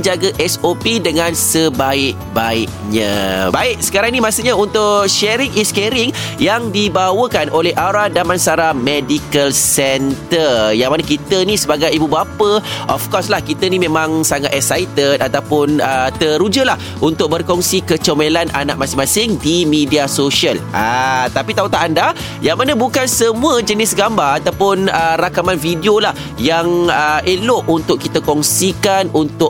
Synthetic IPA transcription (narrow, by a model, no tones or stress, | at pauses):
d͡ʒaɡəʔɛsopidəŋãnsəbaɪʔ̚ | baɪʔ̚ɲã̰baɪʔ̚sə̥kaɾaŋnimasuʔɲaunt̪ʊʔʃɛɾɪŋiskɛɾɪŋjaŋdibawəkanʔolɛɦʔaɾadamansaɾamedikəlsɛnt̪ərjaŋmanakit̪ənisəbaɡajibubapəʔɔ̰fkɔslahkit̪ənimẽmãŋsaŋat̪ɛksajt̪ət̪at̪awpʊnət̪əɾud͡ʒəlah | unt̪ʊk̚bərkɔŋsikət͡ʃəmelanʔa̰naʔ̚mãsɪŋmãsɪŋdimidiasoʃiəlʔat̪apit̪aut̪aʔanda | jaŋmanəbukansəmũəd͡ʒənɪsɡambaat̪awpʊnərakamanfidiolah | jaŋəʔelʊʔunt̪ʊʔ̚kit̪akɔŋsikanunt̪ʊʔ